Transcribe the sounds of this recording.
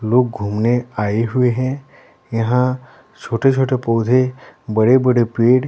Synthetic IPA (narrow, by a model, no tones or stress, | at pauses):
loːɡ̚ɡʱuːmneaːeɦʊeɦɛ̃ | jɐɦã | t͡ʃʰoːʈet͡ʃʰoːʈepɔːd̪ʱebɐɽebɐɽepeːɽ